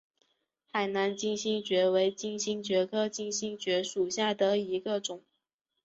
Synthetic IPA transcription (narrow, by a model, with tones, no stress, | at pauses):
xa˨˩ɪna˧˥nt͡ɕi˥˧nɕi˥ŋt͡ɕɥɛ˧˥we˧˥ɪt͡ɕi˥˩ŋɕi˥ŋt͡ɕɥɛ˧˥kʰɤ˥t͡ɕi˥˧ŋɕi˥ŋt͡ɕɥɛ˧˥ʂu˨˩ɕja˥˩d̪ə˩i˧˥ɡə˧ʈ͡ʂʊ˨˩˦ŋ